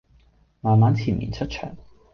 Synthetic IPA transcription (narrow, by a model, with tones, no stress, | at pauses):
maː˨˩nmaː˨˥nt͡sʰiː˨˩nʔḭː˨˩nt͡ʃʰɵ˥t̚t͡ʃʰœ̰ː˨˩ŋ